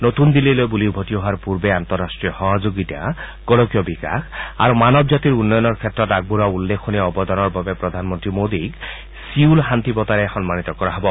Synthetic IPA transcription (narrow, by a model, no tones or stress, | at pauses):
not̪und̪ilːilojbulibʱotiɔɦaɾpuɾbeant̪ɔɾːasʈɹiɔhɔɦɔd͡ʒoɡit̪a̰ | ɡ̥ɔɽɔkijɔbika̰xʰa̰ɾumanɔbd͡ʒat̪iɾunːɔjɔnɔɾkʰet̪ːɾɔt̪aɡ̚buɾaulːekʰːoniɔbɔd̪ɔnɔɾbabepɾɔd̪ʱanmɔnt̪ɾimod̪iɡ | siulɦant̪ipɔt̪aɾexɔnmanit̪ɔkɔɾaɦɔbɔ